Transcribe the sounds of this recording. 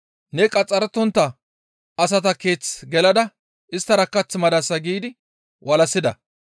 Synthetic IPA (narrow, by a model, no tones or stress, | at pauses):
nɛkʼɐt͡sʼːɐɾɛt̪ːɔnt̪ːɐ | ɐs̬ɐt̪ɐke̞ːt͡sɡɛlɐd̪ɐ | ʔɪst̪ːɐɾɐkːɐt͡smɐd̪ɐsɐɡiːd̪ɪ | wʔɐlɐsːɪd̪ɐ̰